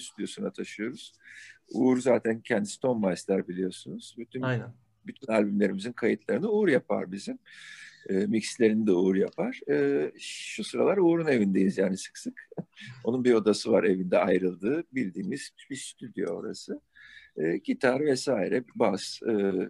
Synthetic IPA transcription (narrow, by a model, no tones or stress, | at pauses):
st̪yd̪jo̞sunat̪ʰaʃɯjo̞ɾuz̥uːɾuzaːt̪ʰæncʰɛnd̪ist̪ʰo̞nmajslʲæɾbilʲijo̞sunuz̥byt̪ʰyn | byt̪ʰynalʲbymlʲe̞ɾimizinkʰajɯt̪ʰlˠaɾɯnɯuːɾjapʰa̰ɾbizim | ɯːmicslʲe̞ɾinid̪ɛuːɾjapʰaɾ̥ɯːʃusɯɾalˠaɾuːɾune̞vind̪ejinizjaːnisɯ̥ksɯko̞nunbio̞d̪asɯvaɾe̞vind̪ɛajɾɯlˠd̪ɯːbilʲd̪iːmiz̥bist̪ʰyd̪jo̞̰o̞̰ɾa̰sɯː | cʰit̪ʰaɾvɛsaːiɾɛbasɯː